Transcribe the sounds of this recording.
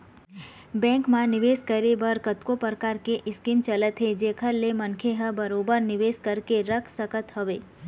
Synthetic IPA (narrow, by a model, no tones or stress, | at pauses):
bɛ̃ːŋkmãnɪʋeːskəɾebəɾkət̪kopəɾkaːɾkeʔɪskiːmt͡ʃələt̪ɦed͡ʒeːkʰəɾlːemənkʰeɦəbəɾoːbəɾnɪʋeːskəɾkeɾəkʰsəkət̪ɦəʋeː